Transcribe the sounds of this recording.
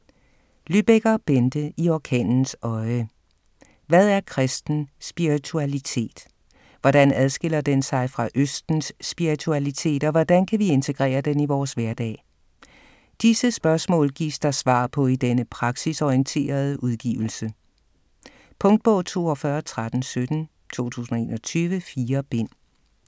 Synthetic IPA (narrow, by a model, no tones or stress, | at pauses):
lyb̥eɡ̥ɐb̥end̥əiɒkʰɛ̰ːnn̩sɒ̽ɪə | ʋæð̞ˠæɐkʰʁɛsd̥n̩sb̥iʁit͡sʰuælit͡sʰe̝̰ːd̥ | ʋɒd̥ænæð̞ˠsɡ̥e̝l̰ɐd̥ensɑ̈ɪfʁɑ̈ʔøsd̥n̩sːb̥iʁit͡sʰuælit͡sʰe̝̰ːd̥ɒ̽ʋɒd̥ænkʰæʋie̝nt͡sʰe̝ɡ̥ʁɛ̰ːɐd̥eniʋɒːsʋæɐd̥ɛ̰ː | d̥isəsb̥ɶɐsmɔ̰̽ːlɡ̥ḭːsd̥ɑ̈sʋɑ̰̈ːpʰɒ̽id̥enəpʰʁɑ̈ɡ̥sisɒiənt͡sʰe̝̰ːɐð̞ˠəʔuð̞ˠɡ̥ḭːʊl̩sə | pʰɔ̽ŋd̥̚b̥ɔ̽ʊt͡sʰo̝̰ːɒfɶɐt͡sʰʁad̥n̩sød̥n̩ | t͡sʰo̝̰ːt͡sʰṵːsn̩ɒe̝ːnɒ̽t͡sʰyːʋəfiːɐb̥e̝n̰